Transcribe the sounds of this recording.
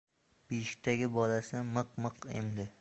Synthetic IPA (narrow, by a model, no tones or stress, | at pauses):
b̥iʃɪ̥k̚ʲt̪ʰaɡʲɪbɒlasɪmɨqmɨqḛmd̪ɪ